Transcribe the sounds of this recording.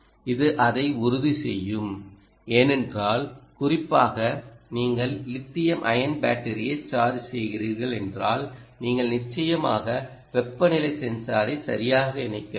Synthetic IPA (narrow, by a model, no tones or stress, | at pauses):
ɪðɯʔɐðɐɪʊɾʊðisɛ̰jːɯm | eːnɛndraːlkʊrɪpːaːɣɐniːŋɡɐɭlɪt̪ːɪjɐmʔɐ̰jɐnbaːʈːɐɾɪjɐɪt͡ʃːaːɾisɛjɣɪɾiːɾɣɐɭɛndraːlniːŋɡɐɭnɪt͡ʃːɐjɐmaːɣɐ | ʋɛpːɐnɪlɐɪsɛnsaːɾɐɪsɐ̰ɾɪjaːɣɐɪnɐɪkːɐ